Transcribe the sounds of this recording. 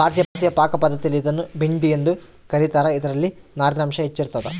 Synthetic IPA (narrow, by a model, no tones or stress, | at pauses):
bʱaːɾt̪jɐt̪ijɐpaːkɐpɐd̪ːɐt̪ijɐlid̪ɐnːubiɳɖijend̪u | kɐɾit̪aːɾɐid̪ɐɾɐlːi | naːɾnaːmʃɐɦet͡ʃːiɾut̪ːɐd̪ɐ